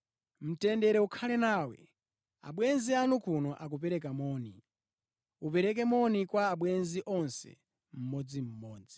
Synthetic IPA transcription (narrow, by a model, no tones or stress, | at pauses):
m̩tɛndɛɾɛukʰalɛnaːwɛ̰ | a̰ɓwɛnzianukunɔʔak̬upɛɾɛk̬amɔːni | upɛɾɛk̬ɛmɔnikwaːɓwɛnziʔɔnsɛ̰ | m̩mɔd͡zim̩mɔːd͡zi